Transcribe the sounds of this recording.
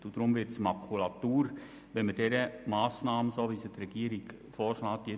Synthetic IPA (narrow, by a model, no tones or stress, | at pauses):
tʊd̥ɾʊmʋɪtsmɑkʰulɑt̪uːɾ | ʋɛnməd̥ɛɾəmaːsnaːməsoːʋisət̪ɾɛɡ̥iːəɾiɡ | fɔːɾʃlaːt̪je